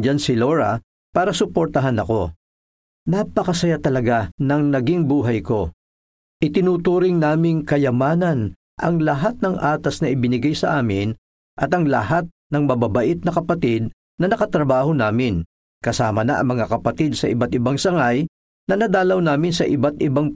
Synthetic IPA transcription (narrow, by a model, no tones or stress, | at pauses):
d͡ʒansɪloɾɐ | paːɾɐsʊpoɾt̪ɐɦanɐko̞ | napɐkɐsɐjat̪ɐlɐɡanɐŋnɐɡiŋbuːɦɐjko̞ | ʔɪt̪ɪnuːt̪uːɾɪŋnaːmɪŋkɐjɐmaːnɐn | ʔɐŋlɐɦat̪̚nɐŋʔaːt̪ɐsnɐʔɪbɪnɪɡajsɐʔaːmɪn | ʔɐt̪ɐŋlɐ̰hat̪̚nɐŋmɐbabɐʔɪt̪̚nɐkɐpɐt̪ɪd̪̚ | nɐnɐkɐt̪ɾɐbaːɦo̞naːmɪn | kɐsaːmɐnɐ̰ʔɐ̰ŋmɐŋakɐpɐt̪id̪̚sɐʔɪbat̪ɪbaŋsɐŋaj | nɐnɐd̪aːlɐwnaːmɪnsɐʔɪbat̪ʔɪbaŋ